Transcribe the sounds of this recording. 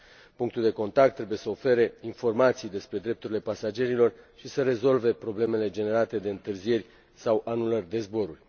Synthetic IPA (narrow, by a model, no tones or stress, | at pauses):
puŋk̚t̪uld̪eko̞nt̪ak̚t̪ːɾe̞buje̞səo̞fe̞ɾe̞info̞rmat̪sijd̪e̞spɾe̞d̪ɾe̞p̚t̪uɾile̞pasad͡ʒe̞ɾilo̞rʃisəɾe̞zo̞lve̞pɾo̞ble̞me̞le̞d͡ʒe̞ne̞ɾat̪e̞d̪eɨnt̪ɨrzie̞ɾʲ | sawʔanulərʲd̪e̞zbo̞ɾurʲ